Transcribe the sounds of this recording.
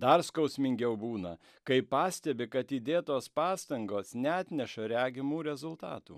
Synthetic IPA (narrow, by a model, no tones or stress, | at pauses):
d̪ɐɾskɒʊsʲmʲɪŋʲɡʲɛʊbuːnɐ | kɐɪpɑːsʲt̪ʲɛbʲɪkɐt̪iːd̪ʲeːt̪oːspɑːst̪ɐŋɡoːsnʲɛːt̪ʲnʲɛʃɐɾʲæːɡʲɪmuːɾʲɛzʊlˠt̪ɑ̰ːt̪ṵː